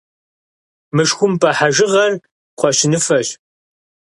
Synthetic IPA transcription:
mɨʂxʷʊmpʰʼɐħaʒɪʁɐr | qʷɔɕɪnɨfɐɕ

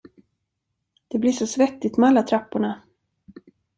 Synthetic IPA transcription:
d̪̥ɛblɪʂɔsvɛt̪ːɪt̪mɛalːat̪ʰɾapːʊɳa

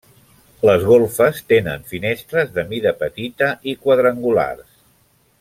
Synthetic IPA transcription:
ləzɣolˠfəst̪enə̰nfinest̪ɾəzðəmiðəpət̪it̪əʔikwəðɾəŋɡula̰rs

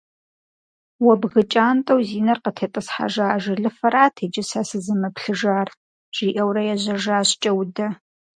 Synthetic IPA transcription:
wɔbɣɨt͡ʃʼaːntʼɐwziːnɐrqətʰeːtʼɨsħa̰ʒaːʒɐɮɨfɐɾaːtʰeːd͡ʒɪsasɨzɨmɐpɬɨʒaːr | ʒ̥iːʔɐwrɐjɛʑɐʒaːɕt͡ʃʼɐwdɐ

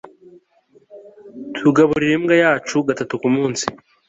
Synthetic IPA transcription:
tʰuɡaβuɾiɾe̞mɡajaːt͡ʃuɡatatukumuːnsi̥

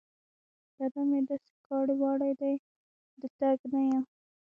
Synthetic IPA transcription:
d̪̥ad̪amed̪ɑse̥kɑɽiwɑɽajd̪aj | d̪ət̪aɡnaja

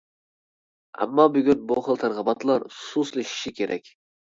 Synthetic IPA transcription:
æ̰mːɑbyɡʲynboχəlˠt̪ʰæɾʁəbɑt̪lˠɑɾsuslˠɪʃi̥ʃikʲʰeɾɛ̰kʲ

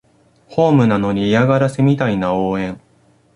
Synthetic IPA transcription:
ho̞ːmɯ̟nano̞ɲ̟iːaɡaɾasemʲit̪ainaoːẽ̞ŋ

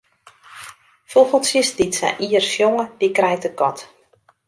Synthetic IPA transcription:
foɣəlˠsjəsditsa̰ʔiərsjoŋədikrɛjtəkɔt

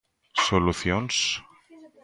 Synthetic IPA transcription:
soluθjons

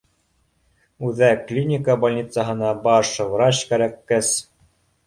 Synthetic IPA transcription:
ʉðæklʲinʲikəbalʲnʲit̪saɦɤ̆nɑbɑʃvɾɑt͡ɕkæɾækːɘs

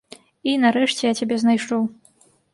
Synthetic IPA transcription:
inɐɾɛʂt͡sʲɛjat͡sʲabʲɛznajʂɔw

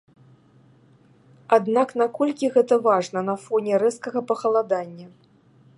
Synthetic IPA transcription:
ad̪naknakɔlʲkʲiɣɛt̪ɐvaʐnɐn̪ɐfɔnʲɛɾɛskɐɣɐpɐxɐlˠad̪anʲːɐ

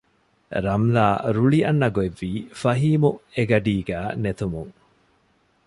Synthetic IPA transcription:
ɾɐmlaːɾuɭiɐnːɐɡoeʋːiːfɐɦiːmueɡɐɖiːɡæːnet̪umuŋ

